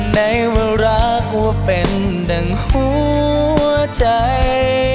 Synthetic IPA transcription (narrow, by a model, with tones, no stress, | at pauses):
na˧˦jwe˧lɾa˧˥ | k̚wa˧pe˨˩n | da˨˧˩ŋhu˧˦˧ | ət͡ɕa˧j